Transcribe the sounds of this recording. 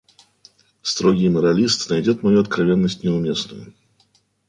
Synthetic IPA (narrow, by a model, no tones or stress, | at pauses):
st̪ɾoɡʲɪjməɾɐlʲist̪nɐjdʲot̪mɐjuɐt̪̚kɾɐvʲe̞nːəsʲtʲnʲɪʊmʲe̞snʊ̰jʊ̰